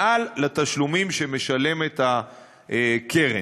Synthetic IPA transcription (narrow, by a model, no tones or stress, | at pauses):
ʔalːat̪aʃlumimʃemeʃale̞met̪a | ekʰe̞ʁe